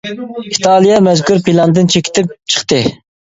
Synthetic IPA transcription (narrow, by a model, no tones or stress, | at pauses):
it̪ʰɑlˠijɛmɛzkʰuɾpilˠɑnd̪ɨnt͡ʃʰekʲi̥t̪ʰɪp̚t͡ʃʰə̥χt̪ɨ